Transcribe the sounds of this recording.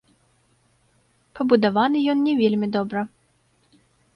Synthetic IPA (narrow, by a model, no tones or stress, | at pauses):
pɐbud̪avanɨjɔnnʲɛvʲelʲmʲid̪ɔbɾɐ